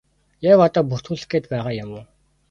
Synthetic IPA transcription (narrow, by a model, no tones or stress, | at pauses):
jaːwɔt̪ɔːpuxt̪xuːɮɘ̆ɡeːt̪pæːʁaːjʊmʊː